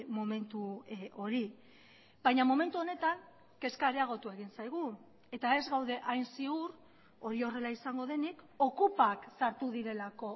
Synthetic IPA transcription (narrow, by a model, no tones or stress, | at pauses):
mome̞nt̪uo̞ɾi | bajɲamome̞nt̪uo̞ne̞t̪aŋ | ke̞skaɾeaɣ̞o̞t̪ueɣ̞insajɣ̞u | e̞t̪ae̞zɣawðe̞ʔajnsiur | o̞ɾio̞re̞laisaŋɡo̞ð̞e̞nik | o̞kupaksaɾt̪uðiɾe̞lako̞